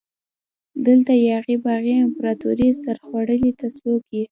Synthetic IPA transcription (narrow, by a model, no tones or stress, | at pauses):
d̪əlt̪ajɑɣibɑɣiɪmpɾɑt̪ṵɾisaɾxwaɽəlit̪asoki